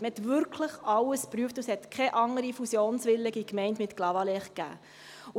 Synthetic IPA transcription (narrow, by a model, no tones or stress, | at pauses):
ɛt̪ʋʏɾkʰləχɑwəspɾyəftushɛt̪kʰχɛʔɑŋəɾifusjoːnsʋɪlːɪɡikmɛɪntmɪtklɑvɑlɛχkæ̰ː